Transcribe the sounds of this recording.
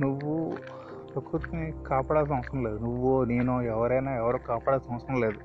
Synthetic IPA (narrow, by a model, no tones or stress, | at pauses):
nuʋːu | p̪ɐkːut̪ːunikaːpaːɽaːls̬ɐmɐsɐ̃leːd̪unuʋːoːneːnoːɛʋɐɾɐjnaːɛʋɐɾoːkaːpaːɽaːlsɐnɐ̃ʋɐsɐnɐ̃leːd̪u